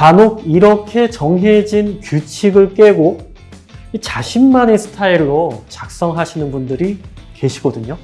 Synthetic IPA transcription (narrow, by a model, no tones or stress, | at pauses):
kanoɡ̚iɾʌkʰe̞t͡ɕʌŋɦe̞d͡ʑinkjut͡ɕʰiɡɯɭk͈e̞ɡo | it͡ɕaɕʰimːanesʰɯ̥tʰaiɭːot͡ɕak̚s͈ʌŋɦaɕʰinɯnbundɯɾike̞ɕʰiɡʌdɯɲo